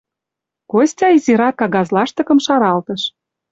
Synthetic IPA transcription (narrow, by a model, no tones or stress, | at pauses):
kosʲtʲɑizʲiɾɑkːɑɣɑzlɑʃt̪ɤ̆kə̆mʃɑɾɑlt̪ə̆ʃ